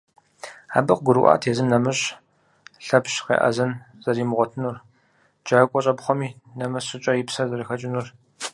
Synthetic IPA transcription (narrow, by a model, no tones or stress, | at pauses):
a̰ːbɨqɡʷʊɾɨ̰ʔa̰ːtʰeːzɨmnɐmɨɕ | ɬɐpɕqḛːʔɐ̰zɐn | z̥ɐriːmɨʁʷɔtʰɨnur | d͡ʒaːkʷʼɔɕʼɐbχʷɔmiːnɐmɐɕɪt͡ʃʼɐjɪpsɐzɐɾɨxɐt͡ʃʼɪnur